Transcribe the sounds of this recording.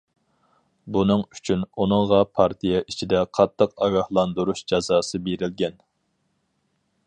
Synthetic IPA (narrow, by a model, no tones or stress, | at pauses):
bunɨŋyt͡ʃʰynunɨŋʁɑpʰɑɾt̪ʰijɛʔit͡ʃʰid̪ɛqʰɑt̪ʰːəqɑɡɑhlˠɑnd̪uɾuʃd͡ʒɑzɑːsɨbeɾɪlɡʲɛn